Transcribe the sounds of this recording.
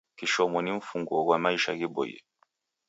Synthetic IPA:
kiʃɔmɔniɱ̩fuŋɡɔkwamaiʃa̰ɣibɔ̰jɛ̰

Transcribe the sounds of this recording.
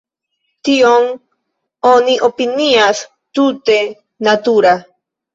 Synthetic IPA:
t̪ioŋ | oniʔopinias | t̪ut̪e | nat̪uɾa

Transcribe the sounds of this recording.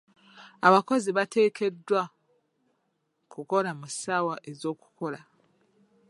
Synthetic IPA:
aβako̞ziβate̞ːke̞dwa | kuko̞lamusawaʔe̞zo̞ːku̥ko̞la

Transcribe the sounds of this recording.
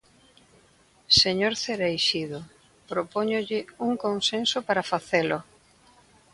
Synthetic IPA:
seɲoɾθeɾejʃiðo | pɾopoɲoʎɪuŋkoŋsensopaɾafaθelʊ

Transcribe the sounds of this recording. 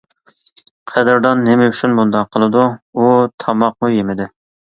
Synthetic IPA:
qʰɛd̪ɪɾd̪ɑnːɪmɛyt͡ʃʰynbund̪ɑqʰːəlˠɨd̪uut̪ʰɑmɑq̚mujemɪd̪ɪ

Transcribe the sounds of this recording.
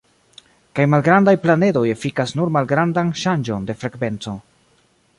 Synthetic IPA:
kajmalɡɾandajplane̞do̞je̞fikasnuɾmalɡɾandanʃand͡ʒo̞nde̞fɾe̞kve̞nt͡so̞

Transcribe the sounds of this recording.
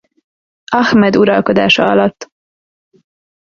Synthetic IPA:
ɒxmɛd̪uɾɒlko̞d̪aːʃɒɒlɒt̪ː

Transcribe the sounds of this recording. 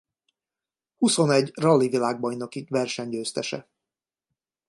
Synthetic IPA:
huso̞nɛɟrɒlːivilaːɡ̚bɒjnokikvɛrʃɛɲɟøːst̪ɛʃɛ̰

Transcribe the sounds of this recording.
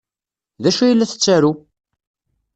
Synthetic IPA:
ðæʃujəlːæθə̥t͡sːæɾu

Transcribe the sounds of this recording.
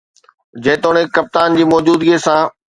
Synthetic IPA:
d͡ʑɐ̃ːt̪oːɽ̃ẽkɐp̚t̪aːnd͡ʑiːmɔːd͡ʑuːd̪ɡesãː

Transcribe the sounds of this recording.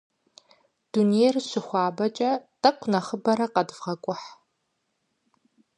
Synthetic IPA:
d̥unierɕʷɪχʷɑːbɐt͡ʃʼɐtʰʼɐqʷʰnɐχəbɐɾɐqɐdvʁɐkʷʼʊħ

